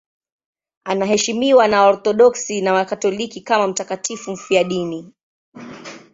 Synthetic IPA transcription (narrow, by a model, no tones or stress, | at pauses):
anaɦɛʃimiwanaɔɾtɔɗɔksinawakatɔlikikamam̩takatifum̩fiaɗini